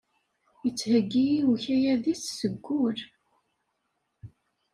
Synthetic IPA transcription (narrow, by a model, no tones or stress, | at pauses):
jət͡sːhəɡːijiuçæjæðissəɡʷːʊɾ